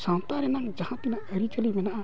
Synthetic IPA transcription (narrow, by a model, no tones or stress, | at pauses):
sãːt̪ãːɾeːnãŋd͡ʒɐhãːt̪ɪnãəɾiːt͡ʃəlimena